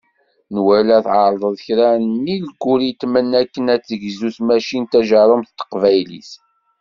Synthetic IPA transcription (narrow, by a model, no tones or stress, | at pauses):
nwælæθʕəɾˤðˤəðˤçɾænilɡːuɾit̪ːmənækːənæt͡sːəʝzusmæʃint̪æʒɑɾˤəmθt̪ːə̥qvæjlḭs